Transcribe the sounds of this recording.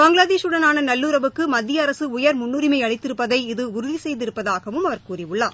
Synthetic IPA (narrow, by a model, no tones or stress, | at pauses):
baːŋɡɭaːðeːʂɯɽɐnaːnɐnɐlːuːɾɐʋɯkːɯmɐd̪ːɪjɐːɾɐsɯʊjɐɾmʊnːɯɾɪmɐɪɐɭɪt̪ːɪɾɯpːɐðɐɪɪðɯʊɾɯðisɛjðɪɾɯpːɐðaːɣɐʋɯmɐʋɐɾkuːrɪʋɯɭːaː